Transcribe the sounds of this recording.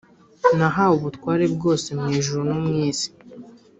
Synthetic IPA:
naɦauβutwaːɾe̞bɡo̞ːse̞mŋiːʒuɾunomŋiːzi̥

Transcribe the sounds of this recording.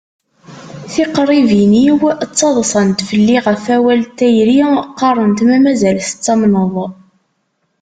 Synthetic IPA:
θiqəɾˤiviniwt͡sːɑðˤsˤɑnt̪fəlːiʁəfæwælt̪ːæjɾiqːɑrˤənt̪mæmæzælθə̥t͡sːɑmnəðˤ

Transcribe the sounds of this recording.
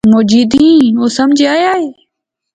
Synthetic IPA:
moːd͡ʒiːd̪ĩːɦoːsəmd͡ʒʱeaːjaːɦeː

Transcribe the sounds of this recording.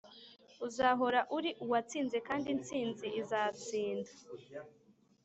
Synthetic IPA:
uzaɦo̞ɾaʔuɾiʔuwat͡siːnze̞kaːndint͡siːnziʔizat͡siːndḁ

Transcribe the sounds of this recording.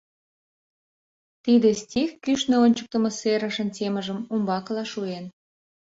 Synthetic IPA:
t̪id̪ĕsʲtʲixkyʃneonʲt͡ɕək̚t̪ə̆mɤ̆seɾə̆ʃə̆ntʲemə̆ʒə̆mumbɑklɑʃuen

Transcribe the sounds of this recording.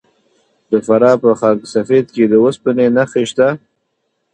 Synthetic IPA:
d̪əfaɾɑpəxɑksafed̪̚ked̪əwəspənenaxeʃt̪a

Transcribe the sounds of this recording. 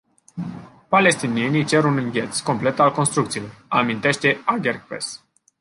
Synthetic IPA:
pale̞st̪inienit͡ʃe̞ɾunɨŋɡʲe̞t̪sko̞mple̞t̪alko̞nst̪ɾuk̚t̪silo̞ramint̪e̞ʃt̪e̞aɡʲerkpḛs

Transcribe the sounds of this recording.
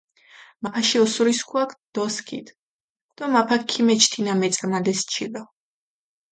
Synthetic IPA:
maaʃiɔsuɾiskʰwakʰd̪̥ɔskʰḭt̪ʰ | d̪̥ɔmapʰakʰimɛt͡ʃʰt̪ʰinamɛt̪sʼamad̪ɛst͡ʃʰilɔ

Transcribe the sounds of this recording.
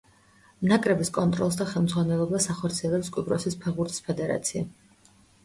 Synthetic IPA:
nakʼɾɛbiskʼɔnt̪ʼɾɔ̰lˠs̬d̪aχɛlˠmd̪zʁwanɛlˠɔbasaχɔɾt̪sʰiɛlɛpskʼwibɾɔsispʰɛɾbuɾt̪ʰi̥spʰɛd̪ɛɾa̰t̪sʰia̰

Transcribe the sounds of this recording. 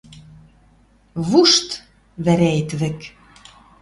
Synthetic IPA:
βuʃt̪ | βæɾæet̪βɘ̆k

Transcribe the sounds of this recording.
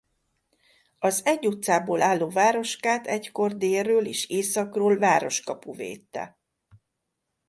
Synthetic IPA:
ɒzɛɟːut̪saːboːlaːlːoːvaːɾo̞ʃkaːt̪ɛcko̞rd̪eːrːøːleːʃeːsɒkroːlvaːɾo̞ʃkɒpuvḛːt̪ːɛ̰

